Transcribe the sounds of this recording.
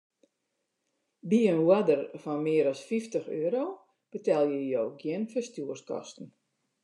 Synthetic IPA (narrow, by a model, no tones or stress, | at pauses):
biənwadərfɔnmɪːəɾɔsfiftəxøːəɾoː | b̥ətɛlˠjəjoːɡjɪnfəstjuərskɔ̰stn̩